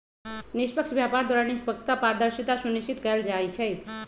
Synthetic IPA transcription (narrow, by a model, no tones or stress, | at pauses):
nispəkʃʰbjapaɾd̪waɾanispəkt͡ʃʰə̥t̪apaɾd̪əɾʃit̪asunit͡ʃit̪kəəld͡ʒajt͡ʃʰɛ